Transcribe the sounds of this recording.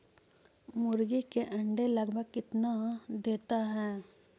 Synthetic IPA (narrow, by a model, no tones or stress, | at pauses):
mʊɾɡikeʔɐ̃ɳɖelɐɡbʱəɡ̚kɪt̪nad̪eːt̪aɦɛː